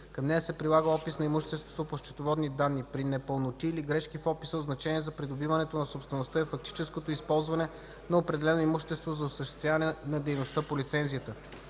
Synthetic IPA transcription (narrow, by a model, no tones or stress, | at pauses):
kɐmnɛjɐsɛpɾilˠaɡəɔpisnɐimuʃt̪ɛst̪vo̥t̪opoʃt͡ʃɛ̥t̪ovɔd̪nid̪anːipɾinɛpəlˠnot̪iːliɡɾɛʃkifɔpi̥səod̪znɐt͡ʃɛniɛzɐpɾid̪obivɐnɛt̪onɐsopst̪vɛnost̪əifɐk̚t̪i̥t͡ʃɛskot̪oispɔlˠzvɐnɛ | nɐopɾɛd̪ɛlɛnoimuʃt̪ɛst̪vozɐosəʃt̪ɛ̥st̪vʲjavɐnɛnɐd̪ɛjnost̪əpolit̪sɛnzijət̪ə